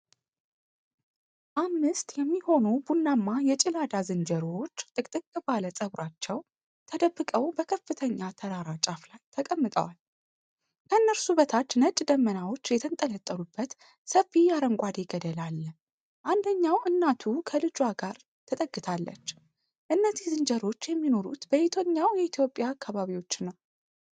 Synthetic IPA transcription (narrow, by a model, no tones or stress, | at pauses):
ʔamːɨst̪ʼjɛmːiho̞nubunːamːajɛt͡ʃʼɪlad̪azɨnd͡ʒəɾot͡ʃːt̪ʼɨkʼt̪ʼɨkʼːɨbaləsʼəβɾat͡ʃːɛw | t̪ʰəd̪əbːɨkʼəwbəkʰəfːɨt̪ʰəɲːat̪ʰəɾaɾat͡ʃʼaflajt̪ʰəkʼəmːɨt̪ʼə̰wal | kʰəɨnːəɾsubət̪ʰat͡ʃːnət͡ʃʼd̪əmːənawo̞t͡ʃːjɛt̪ʰənt̪ʼələt̪ʼːəlubːət̪ | səfːijaɾəŋkʷʼad̪eɡəd̪əlalːə | ʔand̪əɲːawʔɨnːat̪ʰukʰəlɨd͡ʒwaɡaɾ | t̪ʰət̪ʼəɡːɨt̪ʰalːə̰t͡ʃː | ʔɨnːəzizɨnd͡ʒəɾo̞t͡ʃːjɛmːino̞ɾṵt̪b̥əit̪ʰo̞ɲːawjɛit̪ʰijo̞pʼjaːkːaβaβiwo̞t͡ʃːɪnːaw